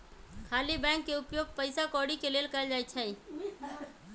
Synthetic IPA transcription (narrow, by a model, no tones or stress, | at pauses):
kʰaːlibɛ̃ːŋkːeʊpjoːɡ̚pəɪsakɔːɽikeleːlkəld͡ʒaːit͡ʃʰɛi